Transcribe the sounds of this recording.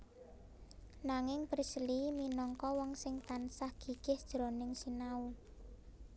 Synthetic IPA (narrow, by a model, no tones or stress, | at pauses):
naŋɪŋpɾisliminɔŋkɔwɔŋsɪŋt̪ansahɡ̥i̤ɡ̥ɪhd̥ʒ̥ɾo̤nɪŋsinau